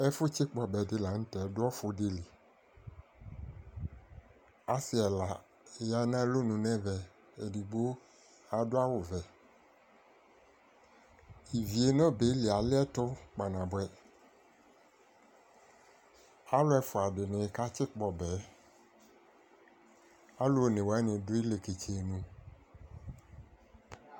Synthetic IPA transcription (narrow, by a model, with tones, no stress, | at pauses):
ɛ˦fʊ˦t͡ɕɪ˦k͡pɔ˨bɛ˨dɪ˦la˨ŋ̩̃˦t̪ɛ˨˦dʊ˦ɔ˦fʊ˨de˦li˨ | a˨si˦ɛ˨la˨ | ja˦nã˦lo˦nũ˨nɛ̃˦vɛ˨ | e˨di˨ɡ͡bo˦ | a˨do˦a˦wo˨vɛ˨ | i˨vi˨e˨nɔ̃˦be˨˦lɪ˨a˨lɪ˦ɛ˦tʊ˦k͡pa˨nã˨bʊ˨˦ɛ˦ | a˦lʊ˦ɛ˨fʊ˨a˨dɪ˨nɪ̃˨ka˦t͡ʃɪ˦k͡pɔ˨bɛ˨˦ | a˦lʊ˦˨nɪ̃˨wɛ˦nɪ̃˨dʊ˦ɪ˦le˨ke˨t͡ʃe˨e˨nũ˨